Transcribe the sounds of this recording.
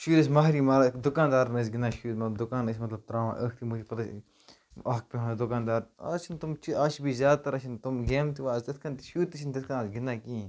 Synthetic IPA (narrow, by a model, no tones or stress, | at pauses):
ʃuːɾes̬mɐɦɾiːmaːɾd̪ʊkaːnd̪aːɾmẽːs̬ɡɪnːaːʃuːt̪mɐt̪bd̪ʊkaːnəsʲmɐt̪lɐb̚t̪ɾaːʋã̰ːʔəːkʰt̪ʰimud͡ʒʲpɐt̪a | ɐɦk̚peɦõːnd̪ʊkaːnd̪aːɾat͡ʃʰint̪ʊmt͡ʃiaːʃbʱiːzjaːd̪̚t̪ɐɾɐʃʰint̪umɡeːmt̪iʋaːst̪ɐt̪ʰkʰɐnt̪iʃuːt̪ːit͡ʃʰint̪ɐt̪ʰkʰanasɡɪnːãːkĩː